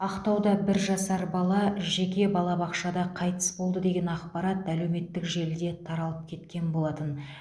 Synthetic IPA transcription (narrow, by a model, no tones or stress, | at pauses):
ɑqt̪ɑwd̪ɑbɪɾʒɑsɑɾbɑlˠɑʒe̞kʲe̞bɑlˠɑbɑqʃɑd̪ɑqʰɑjt̪ə̥sbo̞lˠd̪əd̪e̞ɡʲe̞nɑqpɑɾɑt̪æle̞wme̞t̪ːɪkʒe̞ld̪e̞t̪ʰɑɾɑlˠəp̚kʲʰe̞t̪kʲe̞nbo̞lˠɑt̪ən